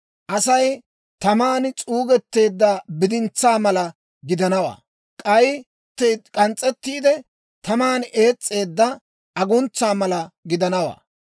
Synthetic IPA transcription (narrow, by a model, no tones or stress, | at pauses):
ʔɐsɐj | t̪ɐmaːnt͡sʼuːɡɛt̪ːe̞ːd̪ːɐbɪd̪ɪnt͡sːaːmɐlɐ | ɡɪd̪ɐnɐwa̰ː | kʼɐj | t̪ːekʼɐnt͡sʼːɛt̪ːiːd̪ɛ | t̪ɐmaːne̞ːt͡sʼːe̞ːd̪ːɐ | ʔɐɡʊnt͡sːaːmɐlɐɡɪd̪ɐnɐwa̰ː